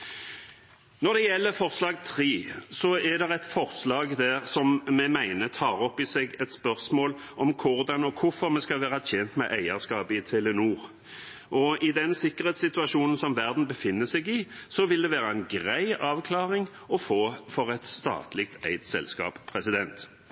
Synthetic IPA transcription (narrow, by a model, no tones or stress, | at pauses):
nɔɾd̪ɛjɛlːəfɔʁslɑːɡt̪ʰʁiːsɔɛd̪ɛʁɛt̪fɔʁslɑːɡd̪æʁsɔmmɛmæɪnət̪ʰɑːɾɔpːɪsɛɡɛt̪spœʁsmoːl | ʔɔmkʰʊʁd̪ɑnɔkʰʊfɔɾmɛskɑlʋæːʁɑt̪ʰjɛnt̪mɛ̰ʔæɪəʁskɑːpəɪt̪ʰɛlənuːʁ | ʔɔɪd̪ɛnsɪkːəʁheːt̪sɪt̪ʉɑʂuːnən̩sɔmʋæʁd̪n̩bəfɪnːəsɛɡɪsɔʋɪld̪ɛʋæːɾɑɛɪnɡʁæɪɑːʋkʰlɑːʁɪŋ | ɔfoːfɔʁɛt̪st̪ɑ̰ːt̪lɪk̚t̪ʰæ̰ɪt̪sɛ̰lskɑ̰ːppʰʁɛsɪd̪ɛnt̪